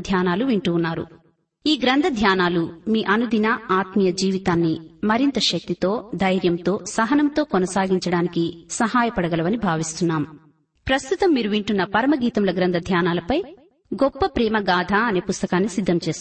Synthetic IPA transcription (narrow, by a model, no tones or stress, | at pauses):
d̪ʱjaːnaːluʋiɳʈuːnːaːɾṵ | iːɡɾɐnd̪ʱɐd̪ʱjaːnaːlumiːʔɐnud̪inɐaːt̪mijɐd͡ʒiːʋit̪aːnːimɐɾint̪ɐʃɐk̚t̪it̪o̞ːd̪ʱɐjɾjɐmt̪o̞ːsɐɦɐnɐmt̪o̞ːkɔnɐsaːɡiɲt͡ʃɐɽaːnikisɐɦaːjɐpɐɽɐɡɐlɐʋɐnibʱaːʋist̪unːaːm | pɾɐst̪ut̪ɐmːiːɾuʋiɳʈunːɐpɐɾɐmɐɡiːt̪ɐmlɐɡɾɐnd̪ʱɐd̪ʱjaːnaːlɐpɐj | ɡɔpːɐpɾɛːmɐɡaːd̪ʱaːɐneːpust̪ɐkaːnːisid̪ʱːɐmt͡ʃe̞ːs